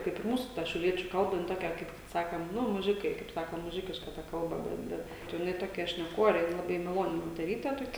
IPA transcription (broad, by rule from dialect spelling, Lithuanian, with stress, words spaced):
kɐɪp ɪr ˈmuːsʊ ˈtɐ ʃʲɛʊˈlʲiɛt͡ʃʲʊ ˈkɐlˠbɐ jɪn ˈtoːkʲɛ ˈkɐɪp ˈsɑːkʲɛm ˈnʊ mʊˈʒʲɪkɐɪ ˈkɐɪp ˈsɑːkɐ ˈnʊ mʊˈʒʲɪkʲɪʃkɐ ˈtɐ ˈkɐlˠbɐ ˈbʲɛt ˈbʲɛt tɐɪ jɪˈnɐɪ ˈtoːkʲɛ ʃʲnʲɛˈkoːrʲɛ ˈjɪn lˠɐˈbɐɪ mɐˈlˠoːnʲɪ moːtʲɛˈrʲiːtʲɛ toːˈkʲɛ